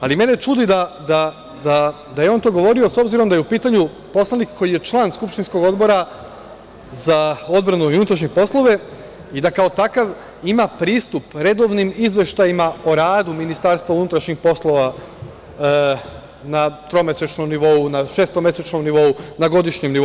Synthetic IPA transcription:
alime̞net͡ʃud̪id̪ad̪a | d̪a | d̪ajeo̞ːnt̪o̞ːɡo̞ʋo̞ɾio̞so̞bziɾo̞md̪ajeupiːt̪aɲu | po̞slanikkʰːo̞jije̞t͡ʃlˠaːnskupʃt̪insko̞ɡo̞d̪bo̞ɾa | zao̞d̪bɾanuiunut̪ɾaʃɲepo̞slˠo̞ʋe̞ | id̪akao̞t̪akaʋ | imapɾiːst̪upɾe̞d̪o̞ʋnimizʋe̞ʃt̪ajimao̞ɾaːd̪uminist̪aɾst̪ʋaunut̪ɾaʃɲixpo̞slˠo̞ʋa | nat̪ɾomeset͡ʃno̞mniʋo̞unaʃe̞ːst̪omje̞set͡ʃno̞mniʋo̞unaɡo̞d̪iʃɲemni

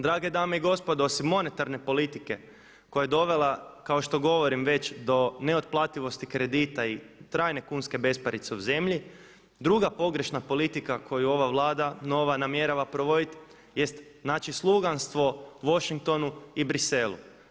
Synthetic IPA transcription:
d̪ɾaːɡe̞d̪aːmeiɡo̞spo̞d̪oosimːo̞ne̞t̪aɾne̞po̞lit̪ike̞ | ko̞jajed̪o̞ʋe̞lˠakaoʃt̪o̞ɡo̞ʋo̞ɾimʋe̞t͡ɕd̪o̞ne̞ot̪̚plˠaːt̪iʋo̞st̪ikɾe̞d̪it̪ait̪ɾaːjne̞kunske̞be̞spaɾit̪se̞uze̞mʎi | d̪ɾuɡapo̞ɡɾe̞ʃnapo̞lit̪ikako̞juo̞ʋaʋlˠaːd̪ano̞ʋanamje̞ɾaʋapɾo̞ʋo̞d̪it̪ | je̞st̪naːt͡ʃislˠuɡanst̪ʋo̞ʋo̞ʃiŋk̚t̪o̞nuibɾise̞lˠṵ

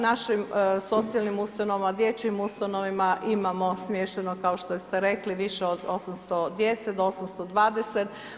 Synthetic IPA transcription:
naʃimso̞t̪sijalnimust̪ano̞ʋamad̪je̞t͡ɕimust̪ano̞ʋimaʔimamo̞smjeʃt̪enokao̞ʃt̪ost̪e̞ɾe̞kliʋiʃeod̪o̞samst̪od̪jet̪sed̪oosamst̪o̞d̪ʋaːd̪e̞set̪

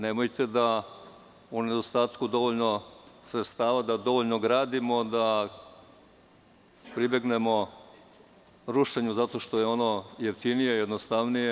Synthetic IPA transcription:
nemo̞jt̪e̞d̪a | une̞d̪ost̪aːt̪kud̪o̞ʋoʎno̞sɾet̪st̪aːʋad̪ad̪o̞ʋoʎnoɡɾaːd̪imo̞d̪a | pɾibe̞ɡne̞mo̞ | ɾuʃe̞ɲuzat̪o̞ʃt̪o̞jeo̞no̞jeft̪inije̞jed̪nost̪aʋnije

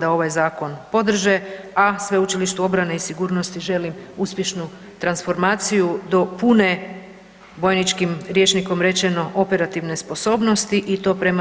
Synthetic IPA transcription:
d̪ao̞ʋajzaːko̞npo̞d̪r̩ʒe | asʋe̞ut͡ʃiliʃt̪uo̞bɾane̞isiɡuːɾno̞st̪iʒe̞limuspʲje̞ʃnu | t̪ɾansfo̞ɾmaːt̪sijud̪o̞pune | bo̞jnit͡ʃkimɾje̞t͡ʃniko̞mɾe̞t͡ʃe̞no̞ʔo̞pe̞ɾat̪iʋne̞spo̞so̞ːbno̞st̪iʔit̪o̞ːpɾe̞ma

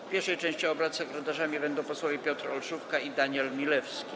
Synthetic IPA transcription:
pʲjɛɾʂɛjt͡ʂɛ̃ɕt͡ɕiɔbɾat̪sɛkɾɛt̪aʐamʲibɛnd̪ɔ̃w̃pɔswɔvʲjepʲjɔt̪ɾɔlʂufkaid̪aɲɛlmʲilɛfskʲi

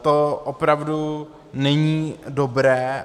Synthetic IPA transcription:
t̪oʔopɾavdu | nɛɲiːdobɾɛː

